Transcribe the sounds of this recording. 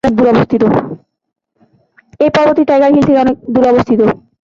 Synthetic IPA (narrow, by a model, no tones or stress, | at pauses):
ek̚d̪uɾɔbost̪ʰit̪o | ejpɔɾoboɾt̪iʈajɡaɾɦilt̪ʰekeɔnek̚d̪uɾoɔbost̪ʰit̪o